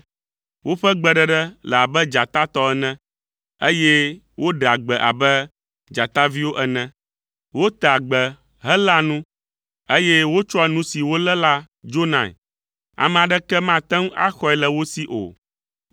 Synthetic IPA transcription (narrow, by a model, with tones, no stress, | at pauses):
wʔo˦ɸɛ˦ɡ͡bɛ˨ɖɛ˨ɖɛ˦lɛ˨a˨bɛ˦d͡ʒa˨t̪a˦t̪ɔ˦ɛ˨nɛ̃˦ | e˦jɛ˦ | wo˦ɖa˨ɡ͡bɛ˨ʔa̰˨bɛ˦ | d͡ʒa˨t̪a˦vi˦wo˦ʔɛ˦˨nɛ̃˦ | wo˦t̪a˨ɡ͡bə˨ | ɦə˦la˦nũ˦ | e˦jɛ˦wo˦t͡ʃɔ˦ɛ˨nũ˦si˨wo˦lɛ˦la˦ | d͡ʒo˦nã̰˨ | a̰˨mɛ̃˨a˨ɖɛ˦kɛ˦mã˦t̪ɛ˦ŋ˦a̰˦xɔ˦ɛ˨lɛ˨wo˦si˦ʔo̰˨